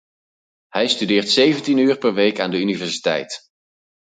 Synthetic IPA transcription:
hɛjstydɪːɹtsejvəntinyːɹpɛɹʋejkaːndəynivɛɹsi̥tɛ̰jt

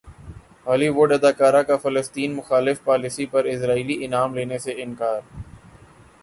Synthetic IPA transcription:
ɦaːliʋoːɖɐd̪aːkaːɾakafɐləst̪iːnmʊxaːlɪfpaːlisipɐɾɪsɾaːiːliʔɪnaːmleːneseɪ̃nkaːɾ

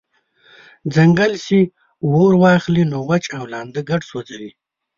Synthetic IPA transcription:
d͡zɐŋɡəlsi | woɾwɑːχlinoːwat͡ʃawlɑːnd̪əɡaʈswod͡zawi

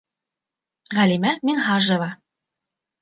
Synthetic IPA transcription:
ʁælʲimæminɦɑʒɤ̆vɑ

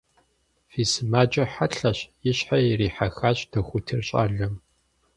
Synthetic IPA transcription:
fiːsɨmaːd͡ʒʼɐħaɬɐɕjɪɕħajɪriːħaxaːɕʼdʰɐxʷʊtʰɨrɕʼa̰ːɮɐm

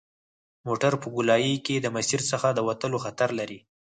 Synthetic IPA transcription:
moʈaɾpəɡʊlɑjiked̪əmasiɾsəxad̪əwat̪əloxat̪aɾlaɾi

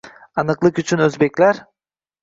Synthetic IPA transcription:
ɑnɯqlˠɯqyt͡ʃʰynøzbekʲlʲeɾ

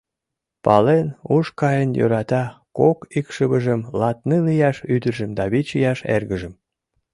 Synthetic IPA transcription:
pɑlenuʃkɑjənjø̰ɾɑt̪ɑkokikʃəβəʒəmlɑt̪nilijɑʃyd̪əʒə̆md̪ɑβit͡ɕijɑʃḛrɣəʒəm

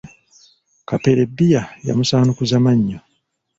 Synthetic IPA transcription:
kapeɾebːijaja̰musaːnukuzamaɲːo

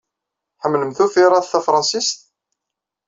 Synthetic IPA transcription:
ħəmːləmθufiɾˤɑðθæfɾˤɑnsist̪

